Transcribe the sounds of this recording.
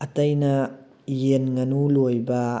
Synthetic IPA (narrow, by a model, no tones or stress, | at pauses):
ɐtɐjnɐ | jenŋɐnulojbɐ